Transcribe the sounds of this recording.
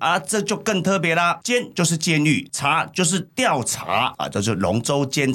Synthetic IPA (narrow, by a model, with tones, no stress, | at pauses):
ʔa˧ʈ͡ʂɤ˥˧t͡ɕjo˥˧ʊkə˥˩ŋt̪ʰɤ˥˨˩p̬jɛ˨˧˥la˨t͡ɕjɛ˥nt͡ɕjo˥˧ʊʂ̬ɻ̩˥˧t͡ɕjɛ˥˧ny̰˥˩t͡sʰa˧˥t͡ɕjo˥˧ʊʂ̬ɻ̩˥˧t̪jɑ˥˨ʊt͡sʰa̰˧˥a̰˨t͡ɕjo˥˧ʊʂ̬̩˥˩lʊ̰˨˧˥ŋt͡so˥ʊt͡ɕjɛ˥n